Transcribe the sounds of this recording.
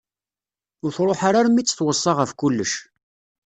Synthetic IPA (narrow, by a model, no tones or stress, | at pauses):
ʊɾθɾˤoħaɾaɾmit͡sːə̥θwəsˤːɑʁəfkulːəʃ